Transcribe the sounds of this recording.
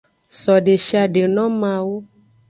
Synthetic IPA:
sɔ˨ɖe˨ʃi˦a˧ɖe˨nɔ̃˦mã˧wo˦

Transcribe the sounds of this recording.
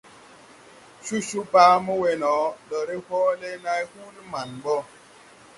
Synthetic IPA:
ʃu˦ʃu˦paː˦mɔ˦we˨nɔ˨˦ɗɔ˨ɾe˦hɔː˦le˦na˦jhu˦lma˨nbɔ˦

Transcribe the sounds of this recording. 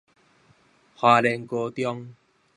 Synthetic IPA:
hwaː˧le˧˩ŋko˧t̪jɔ˦ŋ

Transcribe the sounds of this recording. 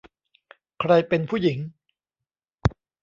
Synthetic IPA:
kʰɾa˧jpe˧npʰuː˥˩ji˩˦ŋ

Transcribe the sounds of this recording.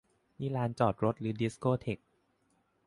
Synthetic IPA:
miː˥˩laː˦˥nt͡ɕɔː˨˩t̪̚ɾo˦˥t̪̚ɾɯː˩˦di˦˥skoː˥˩t̪ʰe˨˩k̚

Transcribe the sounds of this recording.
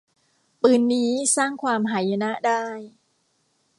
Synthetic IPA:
pɯː˧nːiː˦˥saː˥˩ŋkʰwaː˧mɦaː˩˦ja˧na˦˥ʔdaː˥˩j

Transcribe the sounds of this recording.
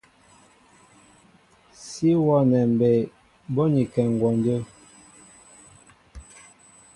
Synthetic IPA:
si˦wɔ˦˨nɛ˨m˨bɛ˨ | bɔ˦ɲi˨kɛ˨ŋ˨ɡwɔ˨ndə˦

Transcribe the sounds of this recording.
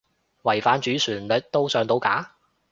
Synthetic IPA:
wɐ˨˩jfaː˨nt͡ʃyː˨˥syː˨˩nlɵ˨t̚t̪o˥wsœː˨˧ŋt̪o˧wkaː˨˥

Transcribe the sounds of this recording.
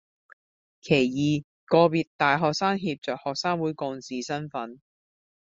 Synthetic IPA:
kʰe˨˩jjiː˨ | kɔː˧piː˨˧t̚t̪aː˨jɦɔː˨k̚saː˥ŋɦiː˧p̚t͡sœː˨k̚hɔː˨k̚saː˥ŋwuː˨˥jkɔː˧ŋt͡siː˨sɐ˥nfɐ˨˥n

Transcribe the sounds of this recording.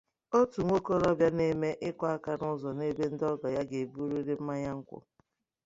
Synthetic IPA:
o˦tu˨ŋʷo˦ko˦ɾɔ˦bja˦ne˦me˦ʔɪ˦kʷa˦a˦ka˨nʊ˦zɔ˨ne˦be˦n̩˦dɔ˦ɡɔ˨ja˦ɡe˨bu˦ɾu˦ɾe˦m̩˦ma˦ɲa˦ŋ̩˦kʷʊ̰˦

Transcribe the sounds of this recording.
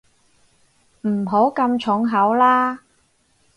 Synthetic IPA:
m̩˨˩ɦo˨˥wkɐ˧mt͡ʃʰʊ˨˥ŋɦɐ˨˥wlaː˥

